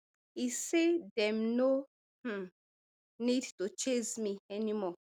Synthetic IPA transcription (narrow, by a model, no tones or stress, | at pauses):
isedɛmnõ | nidtut͡ʃezmiɛnimɔ